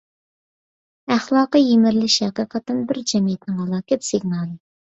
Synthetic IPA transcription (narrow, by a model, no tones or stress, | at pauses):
æχlˠɑːqəjemɪɾlɪʃhæqəqʰət̪ːɪnbɪɾd͡ʒɛmijɛt̪nɪŋhɑlˠɑːkʲɛt̪sɪɡnɑːlˠɨ